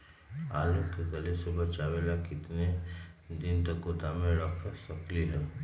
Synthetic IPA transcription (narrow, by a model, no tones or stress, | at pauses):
a̰ːlũkekəlesebɐt͡ʃaːwelakɪt̪ned̪ɪnt̪əkot̪amẽɾəkʰsɐkliɦɛː